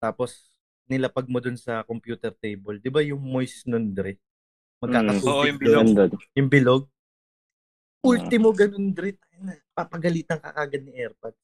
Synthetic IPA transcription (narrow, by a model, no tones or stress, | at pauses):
t̪aːpo̞s | nɪlɐpaɡ̚mod̪ʊnsɐkompjuːt̪ɛɾt̪ejbɐld̪ɪbajʊŋmojsnond̪ɾɛ | mɐɡkaːkɐsuoʔjʊbɪlnd̪ojʊŋbɪloɡ̚ | ʔult̪ɪmoɡɐnond̪ɾɛt̪ajnɐ | papɐɡɐliːt̪ɐŋkɐ̰ʔaːɡɐd̪̚nɪʔɛɾpɐd̪̚